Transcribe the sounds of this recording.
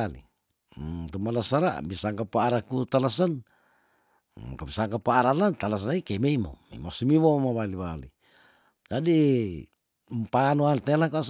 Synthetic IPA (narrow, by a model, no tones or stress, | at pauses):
alḭ | t̪umalasaɾa̰ʔbisaŋkapaaɾakut̪alasan | kabisaŋkapaːɾanant̪alas̬anaikemeimo̰mḛḭmosumiwomaβaliβali | d͡ʒadi | mpaanoant̪elakas